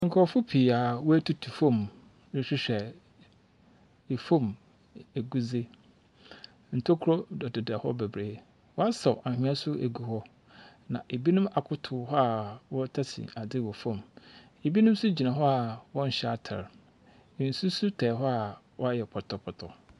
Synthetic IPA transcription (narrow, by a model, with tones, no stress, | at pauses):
ŋ̩˨kʰɔ˨fʊ˦pʰi˨a˨wɔ˦æ˦tʰu˦tʰu˨fõ˦˨m | nɪ˨ɕᶣɪ˦ɕᶣɛ˨ | e˨fõ˦˨m | e˨ɡu˦ze˦ | n̩˨tʰo˦kʰɾɔ˦dɔ˨dɪ˨dɛ˨hɔ̰˦bɛ˨bɾeː˨ | wɔ˦a˦sa˨ʔa˨hᶣĩ˦a˦sʊ˦e˨ɡu˨hɔ˦ | nã̰˨ʔe˨bi˦nʊ̃˦ma˨kʰʊ˦tʰʊ˨ɦɔ˦a˨wɔ˦tʰa˦sʰḭ̃˨a˨dɪ˦wɔ˨fɔ̃˦˨m | e˨bi˦nʊ̃˦m˦sʊ˦d͡ʑi˨nã˨ɦɔ˦a˨wɔ̃˦n̩˨ɕɛ˦a˨tʰa̰˨ɾ | n̩˨su˦sʊ˦tʰɛː˨ɦɔ˦a˨wɔ˦a˦jɛ˨pʰɔ˨tʰɔ˨pʰɔ˨tʰɔ˨